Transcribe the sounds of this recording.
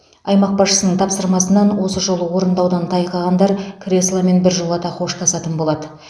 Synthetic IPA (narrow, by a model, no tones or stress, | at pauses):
ɑjmɑq̚bɑsʃə̥sənəɴt̪ʰɑpsəɾmɑsənːɑnwo̞səʒo̞lˠəwo̞ɾənd̪ɑwd̪ɑnt̪ʰɑjqɑʁɑnd̪ɑɾkʰrʲe̞slˠame̞nbɪɾʒolˠɑt̪ɑqʰo̞ʃt̪ʰɑsɑt̪ənbo̞lˠɑd̪ə